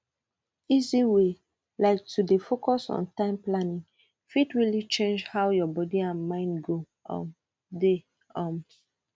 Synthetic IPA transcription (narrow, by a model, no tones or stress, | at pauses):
iziwe | laɪk̚tʰudefokɔsɔ̰̃ntãɪ̃mplanĩŋ | fidɹilit͡ʃẽnd͡ʒhawjɔbɔdiãnmãɪ̃ndɡo | ʔɔ̰̃m | de | ɔ̃m